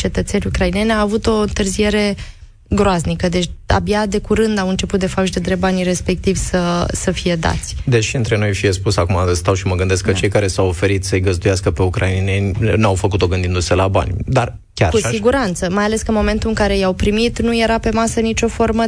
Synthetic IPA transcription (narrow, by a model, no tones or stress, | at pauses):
t͡ʃe̞t̪ət̪se̞nʲukɾaine̞nʲaːvut̪o̞ɨnt̪ɨrzije̞ɾe̞ | ɡɾoaznikəd̪et͡ʃʲa̰bjad̪e̞kuɾɨnd̪awɨnt͡ʃe̞put̪̚d̪efapʃd̪ed̪ɾebanʲre̞spe̞k̚t̪ivʲsəsəfije̞d̪a̰t̪sʲd̪eʃiɨnt̪ɾe̞no̞jfije̞spusakumast̪awʃiməɡɨnd̪e̞skət͡ʃejkaɾe̞sawofe̞ɾit̪səɨjɡəzd̪ujaskəpe̞ukɾʔaininenʲnawfəkut̪o̞ɡɨnd̪ind̪use̞laba̰nʲd̪ar | kʲa̰ɾkusiɡuɾant̪səmajale̞skəɨnmo̞me̞nt̪uɨŋkaɾe̞jawpɾimit̪nuje̞ɾape̞masənit͡ʃo̞fo̞rmə